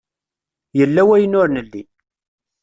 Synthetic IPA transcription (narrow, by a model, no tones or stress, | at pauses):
jəlːæwæjənʊɾnəlːḭ